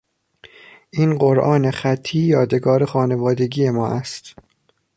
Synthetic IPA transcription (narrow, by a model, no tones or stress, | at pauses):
ʔiːnɢoɾʔɒːnexæt̪ʰːiːjɒːd̪e̞ɡɒːɾe̞xɒːne̞vɒːd̪e̞ɡiːje̞mɒːʔæst̪